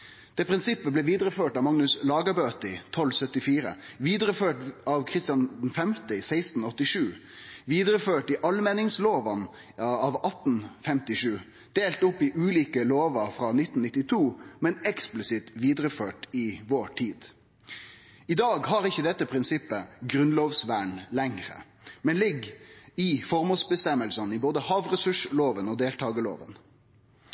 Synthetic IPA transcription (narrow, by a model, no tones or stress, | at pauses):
d̪̥eːpʰɾɪnsɪpːəblɛːʋiːd̪ɾəføːʈɑʋmɑŋnʉslɑːɡəbøːt̪ɪt̪ʰɔlːsœt̪ːɪfiːɾə̰ʋiːd̪ɾəføːʈɑʋkʰɾɪst̪ɪjɑnnfɛmt̪ɪɪsæɪst̪n̩ɔt̪ːɪʂʉː | ʋiːd̪ɾəføːʈɪʔɑlmɛnɪŋsloːʋɑn | ɑʋɑt̪n̩fɛmt̪ɪʂʉː | d̪̥eːlt̪ʊpːɪʔʉːliːkəloːʋəɾfɾɑːnɪt̪ːn̩nɪt̪ːɪt̪ʰuːmɛnɛksplɪsɪt̪ʋiːd̪ɾəføːʈɪʋoːʈʰiːd̪ | ɪd̪ɑːɡhɑɾɪçːəd̪ɛt̪ːəpʰɾɪnsɪpːəɡɾʉnloːʋsʋæːɳlɛŋɾə̰ | mɛnlɪɡɪfɔʁmuːsbəst̪ɛmːəlsɑnɪboːd̪əhɑːʋʁɛsʉʂloːʋənɔːd̪eːlt̪ʰɑːɡəlo̰ːʋə̰n